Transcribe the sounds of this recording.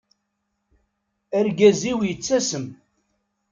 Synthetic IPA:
æɾɡæziwjət͡sːæsəm

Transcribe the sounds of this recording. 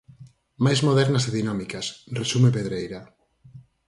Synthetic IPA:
majzmoðɛɾnaszeðinamikasresumepeðɾejɾa

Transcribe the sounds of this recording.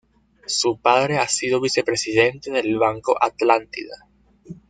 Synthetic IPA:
supaðɾe̞asiðo̞β̞ise̞pɾe̞siðe̞nt̪e̞ðelβaŋko̞̰ʔat̪lant̪ḭða

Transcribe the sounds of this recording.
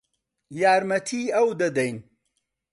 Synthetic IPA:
jaːɾmɐt̪ʰiːɐwd̪ɐd̪ɐjn

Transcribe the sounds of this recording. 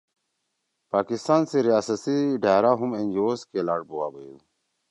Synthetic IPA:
paːkist̪aːnseɾijaːsəsiɖʱaːɾaɦumend͡ʑoːskelaːʈ̚bowaːbəjṵ

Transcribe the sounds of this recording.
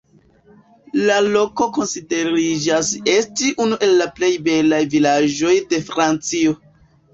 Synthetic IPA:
lalo̞ko̞ko̞nside̞ɾid͡ʒase̞stiʔunuʔe̞lːaple̞jbe̞lajvilad͡ʒo̞jde̞fɾant͡sio̞

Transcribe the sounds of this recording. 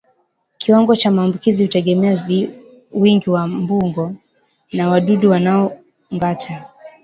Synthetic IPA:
kʰiwaŋɡɔt͡ʃamaːmbukizihutɛɠɛmɛavi | wiŋɡiwambuŋɡɔ | nawaɗuɗuwanaɔ | ŋɡatʰa

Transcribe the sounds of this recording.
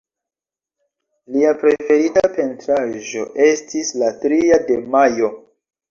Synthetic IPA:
liapɾe̞fe̞ɾitape̞ntɾaʒo̞̰ʔe̞stislatɾiade̞majo̞

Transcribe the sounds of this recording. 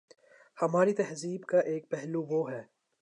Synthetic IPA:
hɐmaːɾit̪ɛɦziːbkaʔeːk̚pɛɦluʋoːɦɛː

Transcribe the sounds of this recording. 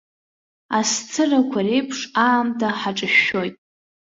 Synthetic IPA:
ast͡sʰɨrakʷʰarejpʰʂaːmtʰaħaʈ͡ʂʼɨʃo̞jtʼ

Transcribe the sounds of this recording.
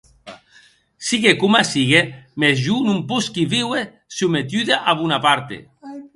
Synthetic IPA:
siɣekumasiɣemezʒunumpuskiβiwe | sumet̪yðeʔaβunapaɾt̪ḛ

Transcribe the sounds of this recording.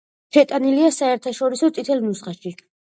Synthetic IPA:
ʃʰɛt̪ʼaniliasaɛɾt̪ʰaʃɔɾisɔt̪sʼit̪ʰɛlnusχaʃi

